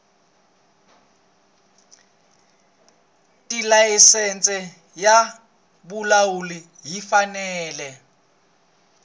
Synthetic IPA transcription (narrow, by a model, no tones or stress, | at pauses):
tʼilaisɛnt͡sʼɛ | ja | bulawuli | ɦifanɛːlɛ